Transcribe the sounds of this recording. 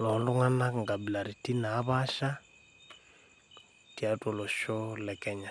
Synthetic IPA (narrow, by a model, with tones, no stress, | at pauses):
lɔ˨˦ndɔ˦ŋa˦na˦ŋɡa˨bi˨la˨ɾi˨ti˦naː˨˦βa˦ʃa˦ | ti˨a˨tɔ˨lɔ˨ʃɔ˦lɛ˨kɛ˨ɲa˨